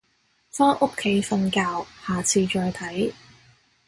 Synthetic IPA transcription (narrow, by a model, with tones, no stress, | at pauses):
faː˥ŋʔo˥kʰe˨˥jfɐ˧nkaː˧whaː˨˩t͡sʰiː˧t͡ʃɔː˧jt̪ʰɐ˨˥j